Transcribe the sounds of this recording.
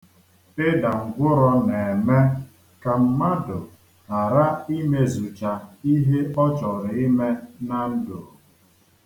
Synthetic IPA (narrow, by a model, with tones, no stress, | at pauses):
ɪ˦da˨ŋ̩˨ɡʷʊ˦ɾɔ˦ne˨e˨me˦ | ka˨m̩˦ma˦dʊ˨ | a˨ɾa˦i˦me˦zu˨t͡ʃa˨i˦ɦe˦ɔ˦t͡ʃɔ˨ɾɪ˨i˦me˦na˨n̩˦do˨